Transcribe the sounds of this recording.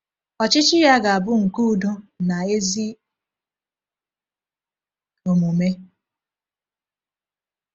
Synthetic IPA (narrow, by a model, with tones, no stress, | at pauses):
ɔ˨t͡ʃɪ˦t͡ʃɪ˦ja˦ɡa˨a˨bʊ˦ŋ̩˨ku˦˨do˦na˨e˦zi˦ | o˨mu˨me˦